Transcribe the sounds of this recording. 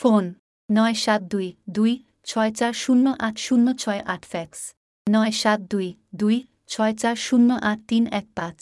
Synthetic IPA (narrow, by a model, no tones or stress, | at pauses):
fonː | ɔeʃat̪̚d̪ujd̪uj | t͡ɕʰɔet͡ɕaɾʃunːoʔaʈʰʃunːot͡ɕʰɔeʔaʈʰfɛks | nɔeʃat̪̚d̪uj | d̪uj | t͡ɕʰɔet͡ɕaɾʃunːoʔaʈ̚ʰt̪inɛk̚pãt͡ɕ